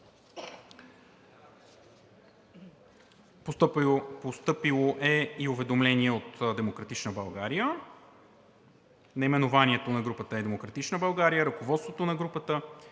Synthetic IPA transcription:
pot̪post̪ɤpilˠoʔɛiʊvɛd̪omlɛniɛot̪d̪ɛmokɾɐt̪it͡ʃnəbɐlˠɡaɾijə | nɐimɛnovaniɛt̪onɐɡɾupət̪əɛd̪ɛmokɾɐt̪it͡ʃnəbɐlˠɡaɾijəɾɐkovɔt̪st̪vot̪onɐɡɾupət̪ə

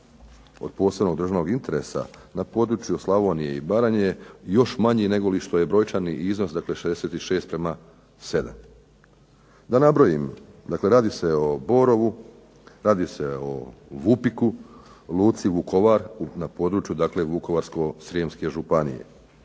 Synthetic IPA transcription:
o̞̰d̪̥̚po̞ːse̞bno̞ɡd̪ɾr̩ʒano̞ɡint̪e̞ɾe̞̰sa̰napo̞d̪ɾut͡ʃjuslˠaʋo̞nije̞ibaɾaɲejo̞ʃmaɲine̞ɡo̞liʃt̪o̞je̞bɾo̞jt͡ʃaniʔizno̞sd̪akle̞ʃed̪ese̞t̪iʃe̞ːst̪pɾe̞ma | se̞d̪a̰m | d̪anabɾo̞jimd̪akle̞ɾaːd̪iseo̞bo̞ɾo̞ʋu | ɾaːd̪ise̞o̞̰ʋupiku | luːt̪siʋukʰo̞ʋaɾunapo̞d̪ɾuːt͡ʃjud̪akle̞ʋuko̞ʋaɾsko̞sɾiemske̞ʒupanḭjḛ

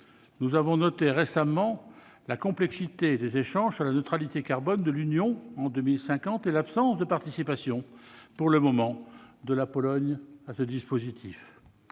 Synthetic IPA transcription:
nuzavɔ̃nɔt̪eʁesamɑ̃ | lakɔ̃plɛksit̪ed̪ezeʃɑ̃ʒsyʁlanøt̪χalit̪ekaʁbɔnd̪əlynjɔ̃ɑ̃d̪ømilsɛ̃kɑ̃t̪ɛlapsɑ̃sd̪əpaʁt̪isipasjɔ̃puʁləmɔmɑ̃d̪əlapɔlɔɲasəd̪ispozit̪ʰif

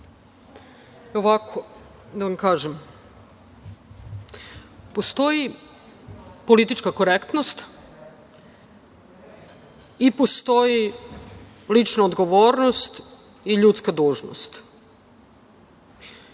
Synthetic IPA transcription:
oʋakʰo | d̪aʋamkaːʒem | post̪o̞ji | po̞lit̪it͡ʃkako̞ɾekt̪nost̪ | ipost̪o̞ji | lit͡ʃnaod̪ɡo̞ʋoːɾnost̪ | iʎut̪skad̪uːʒno̰st̪

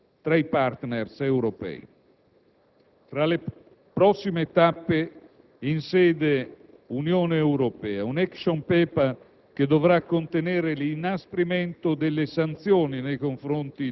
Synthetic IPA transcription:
t̪ɾaipart̪nersɛwɾopɛ̰ːi | fɾale | pɾɔsːimeːt̪apːe | insɛːd̪e | unjoːneɛwɾopɛːaunɛksompɛːpa | k̟ed̪ovɾakːont̪enɛːɾelinaspɾimɛnt̪od̪elːesant̪sjoːninejkoɱfɾont̪i

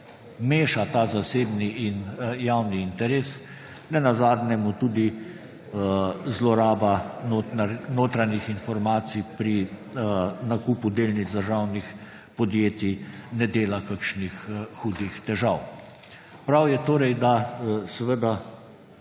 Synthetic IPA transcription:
meːʃat̪aːzaseːbniinjawniːnt̪ɛɾeːs | nɛnazaːd̪njɛmut̪uːd̪i | zlɔɾaːbannoːt̪ɾanixinfɔɾmaːt̪sipɾi | nakuːpud̪eːlnizd̪əɾʒawnix | pɔd̪jeːt̪inɛd̪eːlakakʃnixxuːd̪ixt̪ɛʒaw | pɾawjɛt̪oːɾɛjd̪asɛʋəd̪a

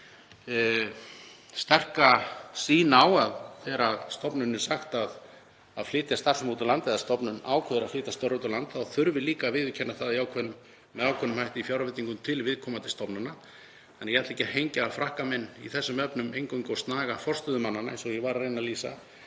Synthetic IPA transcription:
st̪ɛr̥kasiːnaːwaðθɛːɾaðst̪ɔpnʏnːʏsaxt̪að | a̰ðflɪːt̪jast̪ar̥smut̪alant̪ɛðast̪ɔpnʏna̰ːwkʰœːðʏɾaðflɪːt̪ast̪œwɾut̪alant̪aðθʏɾvɪliːkaːvɪðvɪcʰɛnːaθaðiaːwkʰvœnːʏm | mɛðaːwkʰɛnʏmhajht̪ɪifjawɾavɪt̪ːiŋkʏmt̪ʰɪlvɪðkʰɔːmat̪ʰɪlst̪ɔpnʏnːa | θanːɾjɛhatleːcːahejɲcaafɾahkamɛnːiθɛsːʏmœpnʏmejŋkʏjŋkowst̪naːɣafɔr̥st̪ʏðʏmanːanaejnsɔɣjɛvaɾrejnaliːsa̰

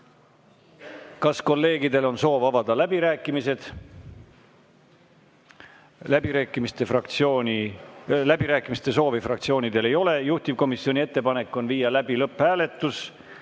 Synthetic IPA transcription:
kɑsko̞lːe̞ːɡid̪e̞lo̞nso̞ːvɑvɑd̪̥ɑlæb̥iɾæːkːˑimise̞d̪̥ | læbiɾæːkːˑimist̪efrɑkt̪sioːnʲilæbiɾæːkːˑimist̪e̞s̬o̞ːvifrɑkt̪sio̞ːnid̪e̞le̞jo̞le̞juht̪ivko̞misːio̞nʲie̞t̪ːe̞pɑnekːˑo̞nviːjɑlæb̥ilɤpːhæːle̞t̪ːˑus

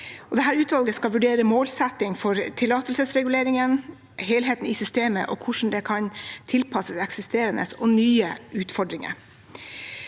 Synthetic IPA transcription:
ʔɔd̪ɛɦæːɾʉːt̪ʋɑlɡəskɑlʋʉɖeːɾəmoːlsɛt̪ːɪŋfɔɾt̪ʰɪlɑːt̪əlsəsɾɛɡʉleːɾɪŋən | ɦeːlɦeːt̪n̩ɪsʏst̪eːmə̰ʔɔ̰kʰʊʂɳn̩d̪ɛkʰɑnt̪ʰɪlpʰɑsəsɛksɪst̪eːɾənə̰sɔnyːəʉːt̪fɔɖɾɪŋə̰ɾ

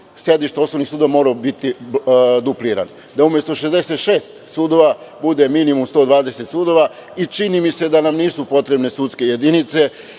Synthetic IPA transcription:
sje̞d̪iʃt̪eoslonixsuːd̪omo̞ɾabit̪id̪upliɾa̰n | d̪aumje̞st̪oʃezd̪e̞se̞t̪ʃe̞ːst̪suːd̪o̞ʋa | bud̪e̞minimumst̪o̞ːd̪ʋaːd̪e̞se̞t̪suːd̪o̞ʋa | it͡ʃinimise̞d̪anamniːsupo̞t̪ɾe̞bne̞sut̪ske̞je̞d̪init̪se̞

